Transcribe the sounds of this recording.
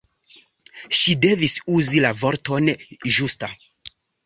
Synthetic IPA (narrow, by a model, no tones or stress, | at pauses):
ʃide̞visuzilavo̞ɾto̞nʒusta